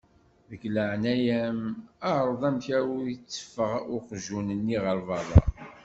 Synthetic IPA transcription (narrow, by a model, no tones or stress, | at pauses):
ðəkləʕnæjæmɑʕɾˤəðˤæmçæwjət͡sːə̥fəʁʊqʒunənːiʁəɾvɑðˤɑ̰